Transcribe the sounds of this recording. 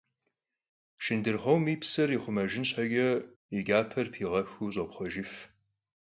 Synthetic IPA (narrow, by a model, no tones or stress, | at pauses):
ʃɪndɨrχʷowmiːpsɐriχʷʊmɐʒɪnɕħɐɡʲɐ | iɡʲʼaːpʰɐrpʰiːʁɐxuɕ̬ʼɔpχʷɔʒɪf